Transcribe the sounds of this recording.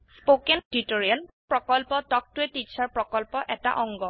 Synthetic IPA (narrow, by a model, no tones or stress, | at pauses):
spokɛntitoɹiɔnpɹɔkɔlpɔtɔk̚tʊɛtit͡ʃʰaɹpɹɔkɔlpɔʔɛta̰ʔɔŋɡɔ